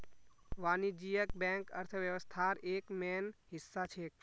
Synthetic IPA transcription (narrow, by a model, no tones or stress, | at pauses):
ʋaːnid͡ʒijək̚bɛ̃ːŋkəɾt̪ʰəʋjəʋəst̪ʰaːɾeːkmeːnɦɪsːat͡ʃʰeːk